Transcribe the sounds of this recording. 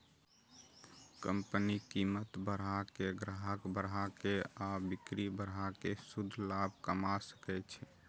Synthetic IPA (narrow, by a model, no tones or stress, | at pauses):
kəmpnikimət̪bəɾɦakeɡɾaɦəkbəɾɦakeabikɾibəɾɦakesud̪ʱlabkəmasə̥kɛt͡ʃʰɛ